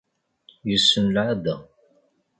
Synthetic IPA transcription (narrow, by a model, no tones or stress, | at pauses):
jusːənlʕad̪æ